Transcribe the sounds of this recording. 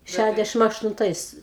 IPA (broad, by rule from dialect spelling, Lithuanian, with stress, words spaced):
ˈʃʲædʲɛʃʲɪm ɐʃtʊnˈtɐɪs